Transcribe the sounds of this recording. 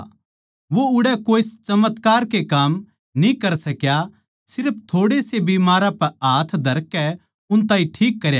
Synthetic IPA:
ʋoʊɽɛkoːɪst͡ʃɐmət̪kaːɾkekaːm | nĩkɐɾsɐkja | sɪɾpʰt̪ʰoːɽesebiːmaːɾãpɛaːt̪ʰd̪ʱɐɾkːɛ | ʊnt̪ãːĩʈʰiːkːɐɾja

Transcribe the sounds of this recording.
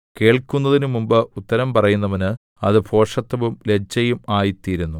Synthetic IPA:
ke̞ːɭkunːɐðinumumbɨʔut̪ːɐɾɐmpɐrɐjunːɐʋɐnɨ | ɐðɨpʰo̞ːʂɐt̪ːɐʋumle̞t͡ɕːɐjumaːjit̪ːiːɾunːu

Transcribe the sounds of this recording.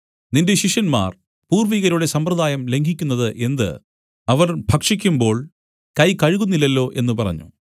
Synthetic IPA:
ninde̞ɕiʂjɐnma̰ːr | puːrʋiɣɐɾuɽe̞sɐmprɐd̪aːjɐmle̞ŋɡʱikʲːunːɐðɨʔe̞nd̪ɨ̰ | ɐʋɐrbʱɐkʂikʲːumbo̞ːɭ | kɐjkɐɻɣunːilːɐlːo̞ːʔe̞nːupɐrɐ̰ɲːṵ

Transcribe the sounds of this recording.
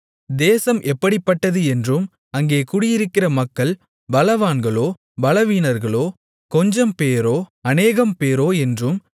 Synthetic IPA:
d̪eːsɐmʔɛpːɐɽipːɐʈːɐðɯɛndrɯm | ɐŋɡeːkʊɽɪjɪɾɯkːɪrɐmɐkːɐɭ | bɐlɐʋaːnɡɐɭoː | bɐlɐʋiːnɐɾɣɐɭoː | kɔɲd͡ʒɐmpeːɾoːɐneːɣɐmpeːɾoːɛndrɯm

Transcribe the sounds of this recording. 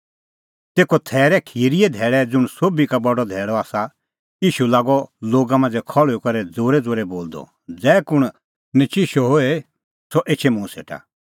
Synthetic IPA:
t̪eːkɔt̪ʰɛːɾɛkʰiːɾiɛd̪ʱɛːɭɛd͡zʊɽ̃soːbikabɔɖɔd̪ʱɛːɭɔaːsa | iːʃulaːɡɔloːɡamãːnd͡zɛkʰɔɭokɐɾɛd͡zoːɾɛd͡zoːɾɛboːld̪ɔ̰ | d͡zɛːkʊɽ̃ | nɪt͡ʃɪʃɔɦoe | sɔʔeːt͡ʃʰemũsḛːʈʰa̰

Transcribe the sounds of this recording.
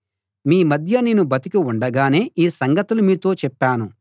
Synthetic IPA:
miːmɐd̪ʱjɐneːnubɐt̪ikiuɳɖɐɡaːne̞ːʔiːsɐŋɡɐt̪ulumiːt̪o̞ːt͡ʃɛpːaːnu

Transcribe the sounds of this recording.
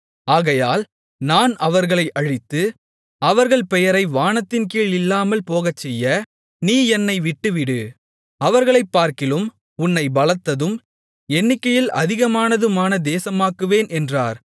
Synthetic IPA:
aːɣɐjaːl | naːnɐʋɐɾɣɐɭɐɪʔɐɻɪt̪ːɯ | ɐʋɐɾɣɐɭpɛjɐɾɐɪʋaːnɐt̪ːɪnkiːɭɪlːaːmɐlpoːɣɐt͡ʃːɛjːɐ | niːɛnːɐɪʋɪʈːɯʋɪɽɯ | ɐʋɐɾɣɐɭɐɪpːaːɾkɪlɯm | ʊnːɐɪbɐlɐt̪ːɐðɯm | ɛnːɪkːɐjɪlʔɐ̰ðɪɣɐmaːnɐðɯmaːnɐd̪eːsɐmaːkɯʋeːnʔɛndraːɾ

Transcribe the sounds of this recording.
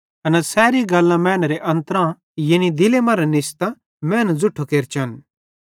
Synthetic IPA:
ɐnɛsɛːɾiɡɐlːãmɛ̃ːnɾeʔɐ̃nt̪əɾã | jɐnid̪ɪlemɐ̃ːɾɛnɪst̪a | mɛ̃ːnd͡zʊʈʰokeːɾt͡ʃʰɐn

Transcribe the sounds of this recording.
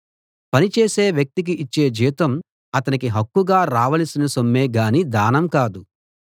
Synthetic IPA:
pɐnit͡ʃeːseːʋjɐk̚t̪ik̬iʔːt͡ʃːe̞ːd͡ʒiːt̪ɐm | ɐt̪ɐnikiɦɐkːuɡaːɾaːʋɐlɐsinɐsomːeːɡaːnid̪aːnɐmkaːd̪u

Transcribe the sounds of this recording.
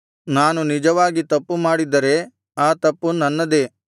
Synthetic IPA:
naːnunid͡ʒɐʋaːɡit̪ɐpːumaːɽid̪ɐɾe̞ | aːt̪ɐpːunɐnːɐd̪e̞ː

